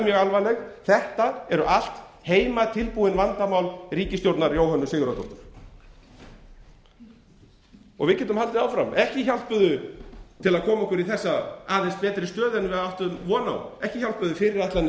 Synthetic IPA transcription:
mjɛɣalvajlɛxθɛht̪aɛɾʏʔal̥t̪heːjmat̪ʰɪlpuːɪnvant̪amaːwlriːcɪst̪jowɾt̪naɾjoːwhanːʏsɪːɣʏɾat̪ɔht̪ʏɾ̥ | ɔ̰ɣvɪðcɛːt̪̬ʏmhalt̪ɪðaːwfɾa̰mʔɛhcɪçal̥t̪̚pʏðʏt̪ʰɪlaðkʰɔːmaɔkʏɾiθɛsːaaðejs̚pɛːt̪ɾɪst̪œːðɛnvɪðaawht̪ʏʏmvɔːna̰wɛhcɪçal̥t̪pʏðʏfɪɾɪɾaht̪lan

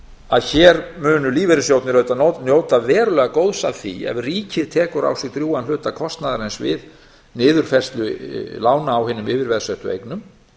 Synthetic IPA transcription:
aðçɛːɾmʏːnʏliːvɛɾɪsjowt̪nɪɾœɥt̪anonjoːwt̪avɛːɾʏlɛɣakowðsa̰vθḭɛ̰vriːcɪðt̪ʰɛːkʏɾa̰wsɛɣt̪ɾjuːanlʏːt̪akʰɔst̪naðaɾejnsvɪ̰ð | nɪːðʏɾ̥fɛr̥st̪lʏlaːwnaːwhɪnːʏmɪːvɪɾvɛðsœht̪ʏḛjknʏm

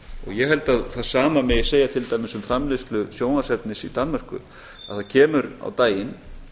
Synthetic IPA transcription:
ɔ̰ɣjɛɦɛlt̪aðθaðsaːmamɪseːjat̪ʰɪlt̪aːjmɪsʏmfɾamlest̪lʏsjoːwnasɛt̪nɪsit̪anmar̥kʏ̰ | a̰ðθaðcʰɛːmʏɾa̰wt̪aːjɪn

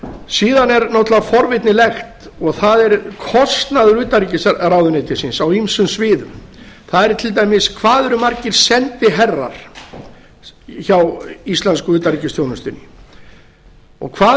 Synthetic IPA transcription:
siːðanɛɾnɔt̪lafɔɾvɪt̪nɪlɛxt̪ | ɔɣθaðɛɾkʰɔst̪naðʏɾʏːt̪aɾicɪsrawðʏnejt̪ɪsinsawimsʏmsvɪːðʏ̰m | θaðɛɾt̪ʰɪlt̪̬ajmɪskʰvaːðʏɾʏmaɾcɪɾ̥sɛnt̪ɪɦɛrːa̰ɾ̥ | çawist̪lɛnskʏʏːt̪aɾicɪst̪joːwnʏst̪ʏnːɪ | ɔ̰ɣkʰvaː

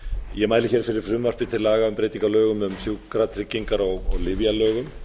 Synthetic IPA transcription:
jɛmaːjlɪçɛɾ̥fɪɾɪɾ̥fɾʏmvar̥pɪt̪ʰɪɾlaːɣaʏmpɾejt̪iŋkalœːɣʏmʏmsjuwkɾat̪ʰɾɪcːiŋkaɾɔɣɔ̰ɣlɪvjalœːɣʏm

